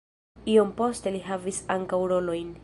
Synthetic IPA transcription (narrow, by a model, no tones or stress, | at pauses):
io̞mpo̞ste̞liɦavisaŋkawɾo̞lo̞jn